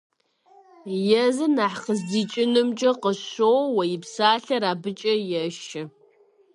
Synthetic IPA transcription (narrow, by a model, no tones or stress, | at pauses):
jɛzɨnaːħχəzdit͡ʃʼɪnɨmt͡ʃʼɐqəɕowwɐjɪpsaːɬɐɾaːbɨt͡ʃʼɐjɛʃɪ